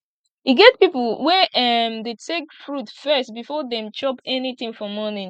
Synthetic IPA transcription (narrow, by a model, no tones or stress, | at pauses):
iɡɛt̚pipl̩ˠwɛʔʌmðetʰekfɹutfɜst̚bifɔðɛ̃mt͡ʃɔpɛniθĩŋfɔmɔnĩ